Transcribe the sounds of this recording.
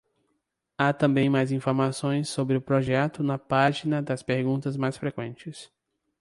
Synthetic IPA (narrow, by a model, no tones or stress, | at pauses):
at̪ɐ̃bẽj̃majzĩfoɾmasõj̃sːobɾɪʊpɾoʒɛt̪ʊnɐpaʒinɐd̪ɐspeɾɡũt̪ɐzmajsfɾekwẽnt͡ʃɪs